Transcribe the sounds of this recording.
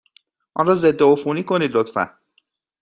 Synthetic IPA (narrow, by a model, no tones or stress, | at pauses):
ʔɒ̰ːnrɒːze̞d̪ːeofuːniːkʰo̞niːd̪lot̪fæ̰n